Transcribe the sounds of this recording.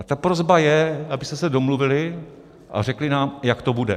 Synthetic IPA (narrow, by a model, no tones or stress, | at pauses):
t̪apɾozbajɛabɪst̪ɛsɛdo̞mluvɪlɪ | ʔa̰rɛklɪnaːmjakt̪obudɛ̰